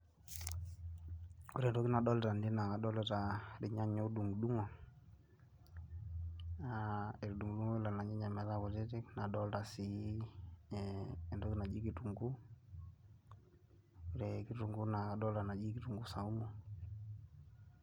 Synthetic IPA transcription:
u˦ɾɛ˨ndɔ˦ki˦na˨dɔ˦lta˨ndi˦na˨ka˨ɗɔ˦lɛ˦ta˨ɾi˨ɲa˦ɲɔ˦du˨ŋu˨du˦ŋɔ˨ | ae˨ɾdu˨ŋɡu˨du˦ŋɔ˦i˦la˨na˨ɲa˦ɲa˨mɛ˨ða˦kɔ˨te˦ti˦kna˨ɗɔ˦lta˨si˦˨ | ndɔ˦ki˦na˨d͡ʒi˦ki˨tu˨ŋɡu˦ | u˨ɾɛ˨ki˦tu˨ŋɡu˦na˨ka˨dɔ˦lta˨na˨d͡ʒi˦ki˦tu˨ŋɡu˦sa˨u˦mɔ˨

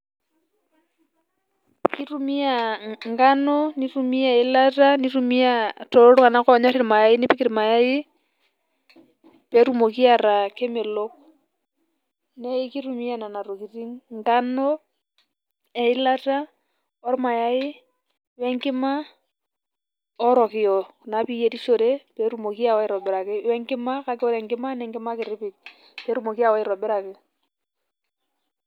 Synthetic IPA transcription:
ki˦ru˦mi˦a˨ŋɡa˦nɔ˦ni˦ru˦mi˦a˨ɪ˦la˦ta˦ni˦ɾu˦mi˦a˨tɔ˨ɾo˦ɾo˦ka˨na˦kɔ˦˨˦ɲa˦ɾi˦ɾma˨ja˨˦ɪ˦nɪ˦pi˦ki˨ɾi˨ma˨ja˦ɪ˦ | pɛ˨ɾu˦mo˨k̬i˦a˨ɾa˨ke˦me˨lɔ˦k | nɛ˦i˦ki˦ɾu˨mi˦a˨na˨na˨ɾo˨ki˨ri˦ŋɡa˦nɔ˦ | ɛ˨ɪ˦la˦ta˦ | ɔ˦ɾma˨ja˦ɪ˦ | wɛ˦ŋkɪ˦ma˦ | ɔ˦ɾɔ˨kɪ˨jɔ˨na˨˦pi˦je˨ti˦ʃo˨ɾe˦pɛ˨˦ɾu˦mo˨ki˦a˦˨wa˦ɪ˦ɾɔ˨bɪ˨ɾa˨kɪ˦wɛ˦ŋkɪ˦ma˦ka˦kɪ˦ɔ˦ɾɛ˨ŋɡɪ˦ma˦nɛ˨ŋɡɪ˦ma˦kɪ˨ɾɪ˦pɪ˨k̚ | pɛ˨˦ɾu˦mo˨ki˦a˦˨wa˦ɪ˦ɾɔ˨bɪ˦ɾa˨kɪ˨

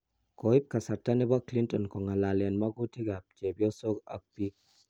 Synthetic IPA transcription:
kɔ˨i˦p̚ka˨sa˨tːa˦nɛ˦ba˦kli˦ntʼɔ˨nkɔ˨ŋa˨la˨ljɛ˨nma˦ɡu˦ti˦ɡa˨p̚d͡ʒe˨bi˦ɔ˦so˦ka̰˨k̚pi˦k̚

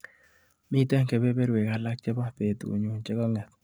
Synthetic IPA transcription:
mɪ˦˨tɛ˦ŋke˨be˦be˦ɾwe˨ka˨la˦k̚t͡ʃɛ˦ba˦pe˨tṵ˨ɲo˨nt͡ʃɛ˦kɔ˦ŋɛ˨t̪̚

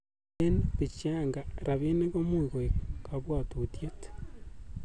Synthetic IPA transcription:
e˦neβi˨t͡ʃaː˦ŋɡa˨ɾa˨βi˦ne˦ɣo˦mu˦i˨ɣoekaβwa˨tu˨tije˦te̥

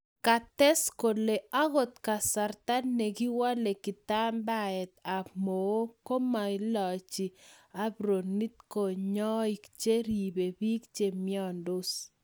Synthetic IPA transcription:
ka˨tɛ˦sko˨le˨a˦ɣo˦t̪ka˨sa˨rta˦nːɛ˨ki˦wa˦le˨kɪ˨ta˦mba˦ɛ˨t̪a˨mo˨o˦ko˦ma˨ɪ˦lɔ˨t͡ʃi˨a˦bɾo˨ni˦t̪̚ko˨ɲɔ˦i˨kt͡ʃe˦ɾi˨be˨biː˦k̚t͡ʃe˨mjɔ˦ndo˦s

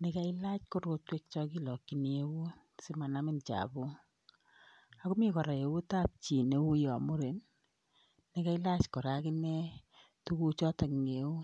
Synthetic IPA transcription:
ne˦ka˦i˦la˦t͡ʃko˦ɾo˧twe˦k̚t͡ʃɔ˧ki˦lɔ˨kːi˨ni˦e˦wu˦ | sɪ˦ma˨na˦mɪ˦nt͡ʃa̰˨bu˦ | a˨ku˦mi˦kɔ˨ɾa˨je˨wu˦ta˦p̚t͡ʃi˨ne˦wu˦jɔ˨mʊ˦ɾe˨nː | ɪ˦ka˦i˦la˦t͡ʃkɔ˨ɾa˦kɪ˦nɛ˦ | tu˦ku˦t͡ʃɔ˦ta˨kŋe˨wu˦

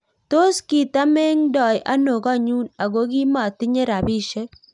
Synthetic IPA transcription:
to˦ski˨ta˦me˦ŋdɔ˨jʔa̰˦no˨ɡa˦ɲu˦na˨ɡo˦ɡi˦ma˨tɪ˦ɲe˦ɾa˨bi˦ʃe˦k̚

